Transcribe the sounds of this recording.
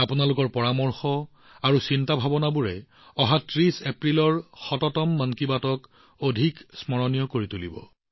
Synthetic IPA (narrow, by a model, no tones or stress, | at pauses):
apunalʊkɔɹpɔɹamɔɹxɔ | aɹusintabʱabɔnabuɹɛ | ɔɦatɹisepɹilɔɹxɔtɔtɔmːankibatɔk | odʱiksmɔɹɔnijɔkoɹitulibɔ̰